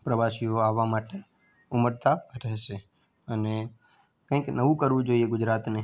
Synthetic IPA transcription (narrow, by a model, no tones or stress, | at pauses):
pɾəʋaʃijoaʋamaʈe | uməɾt̪aɾɛɦʃe | əne | kə̃ĩknəʋũkəɾʋũd͡ʒoieɡʊd͡ʒɾat̪ne